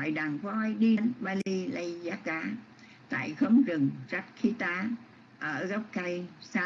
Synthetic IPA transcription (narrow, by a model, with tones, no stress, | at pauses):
a˨˩jɗaː˨˩ŋkɔ˧ʔjɗi˧˨˦nɓaː˧li˧lə˧jzaː˨˦kaː˨˧˦ | t̪a̰ː˧˨jxə˨˦wŋ͡mzɨ˨˩ŋza˦˥t̚kʰi˨˦t̪aː˨˧˥ | ʔəː˧˩ɣə˦˥wk͡p̚ka˧jsaː˧